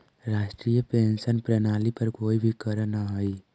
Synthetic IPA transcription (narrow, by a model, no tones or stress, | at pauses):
ɾaːʃʈɾijəpensənpɾənalipəɾkoːibʱikəɾənəɦəj